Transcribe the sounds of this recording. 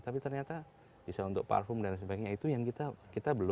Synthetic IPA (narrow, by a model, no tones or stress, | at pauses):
t̪apit̪ərɲat̪a | b̥isaunt̪ʊk̚pa̰rfʊmdansəbaɡkɲait̪ujaŋkit̪akit̪abəlʊ